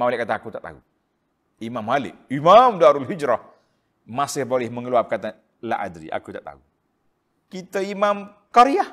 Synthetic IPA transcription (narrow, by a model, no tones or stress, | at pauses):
malɛʔkat̪aakut̪aʔt̪a̰ṵ | imamalɪ̰k̚imamdaɾalɦid͡ʒɾah | masɪhbolɛhməŋəluap̚əkat̪a | la̰ʔa̰dɾḭʔa̰kut̪aʔt̪a̰u | kit̪əimamkaɾiah